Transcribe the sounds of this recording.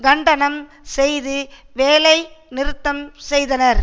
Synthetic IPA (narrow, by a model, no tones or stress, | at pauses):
ɡɐɳɖɐnɐm | sɛjðɯ | ʋeːlɐɪnɪɾɯt̪ːɐmsɛjðɐnɐɾ